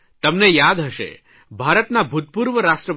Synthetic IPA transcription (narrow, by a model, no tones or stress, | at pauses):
t̪əmnejad̪ɦəʃḛ | bʱaɾət̪nabʱut̪̚puɾʋəɾaʃʈɾəp